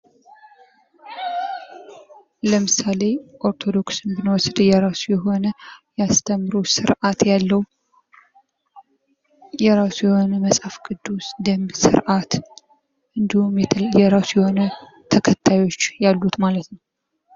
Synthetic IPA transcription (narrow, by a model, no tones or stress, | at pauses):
ləmɨsale̞ʔo̞ɾt̪ʰo̞d̪o̞ksɨnbɨnəwɔsd̪jɛɾasujɛɦo̞nəjɛast̪ʰəmːɨɾusɨɾʔat̪jalːəwu | jɛɾasujɛho̞nəməsʼafɡɨd̪ːusd̪əmsɨ̰ɾʔat̪ | ʔɨnd̪ihumjɛɾasujɛho̞nə | t̪ʰəkʰət̪ʰːajo̞t͡ʃːjalːut̪malət̪nəww